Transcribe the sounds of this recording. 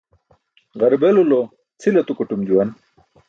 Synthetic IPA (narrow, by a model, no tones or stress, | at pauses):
ʁɐɾbelulo | t͡sʰilɐt̪ukuʈumd͡ʑuwɐn